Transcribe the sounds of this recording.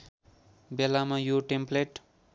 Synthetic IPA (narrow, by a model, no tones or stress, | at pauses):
belamajoʈempleʈ